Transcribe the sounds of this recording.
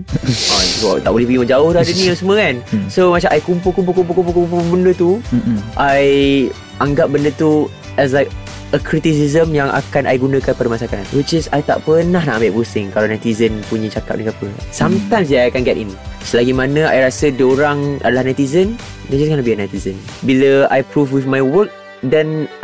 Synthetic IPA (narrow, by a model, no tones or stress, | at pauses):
ɔkɔ̰t̪aʔbolɛhpəɡimə̃d͡ʒaʊht̪adənĩəsəməkansomat͡ʃaʔajkumpulkump̬ukump̬ulkump̬ukuupubəndət̪uʔaj | ʔaŋɡap̚bəndət̪u | ɛs̬lajk̚ | əkɾit̪is̬izəmjaŋʔa̰kanʔa̰jɡunãkanpadamasakanat̪wit͡ʃɛsajt̪a̰ʔpənahnaʔmbiʔpusɪŋkalawnat̪izənpuɲə̃t͡ʃaka̰p̚nikapəsamt̪ãj̃ms̬diajakanɡɛtḭnsəlaɡimanə̃ajɾasədioɾaŋʔa̰dalahnat̪izən | dad͡ʒaskanabianat̪izənbiləa̰jpɾufwifmajwək̚ | dɛn